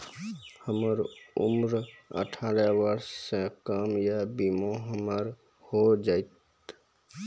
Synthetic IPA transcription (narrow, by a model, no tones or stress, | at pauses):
həməɾʊ̰mɾə̰ʈʰaːɾəʋəɾssekəmjabimoɦəməɾ | hod͡ʒaːɪt̪